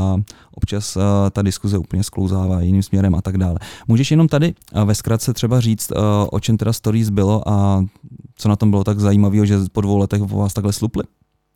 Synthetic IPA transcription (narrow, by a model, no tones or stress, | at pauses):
aʔopt͡ʃast̪adɪskuzɛupl̩ɲɛsklowzaːvaːjɪniːmsmɲɛɾɛmʔat̪aɡdaːlɛmuːʒɛʃjɛno̞mt̪adɪvɛskɾat̪̚t͡sɛt̪r̥ɛbariːt͡st̪ʔo̰t͡ʃɛmt̪ɛdast̪oɾiːzbɪlo̞ʔa | t͡sonat̪ombɪlot̪aɡzajiːmaviːɦoʒɛpodvo̞wlɛt̪ɛxvo̰vaːst̪aɡlɛsluplɪ